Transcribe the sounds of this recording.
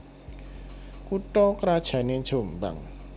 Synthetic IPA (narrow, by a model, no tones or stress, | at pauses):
kuʈɔkɾad̥ʒ̥ä̤ne̥ʒ̥o̤mba̰ŋ